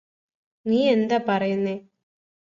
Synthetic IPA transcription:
niːɛnd̪ɐpɐɾɐjɯneː

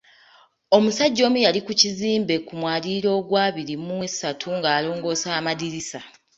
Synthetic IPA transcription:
o̞musaɟːo̞ːmujalikuciziːmbe̞kumwaːliɾo̞ːɡwaːβiɾimuwesːatʰuŋɡaːlo̞ːŋɡo̞ːsaːmadiɾisa

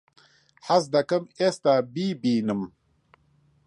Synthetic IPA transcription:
ħas̬d̪ɐkɐmest̪aːbiːbiːnɨm

